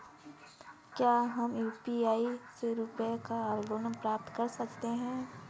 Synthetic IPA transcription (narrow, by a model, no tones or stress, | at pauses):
kjaːɦɐmjuːpiaːiseɾupekaaːlɡoːnəmpɾaːp̚t̪kɐɾsɐkt̪eɦɛ̃ː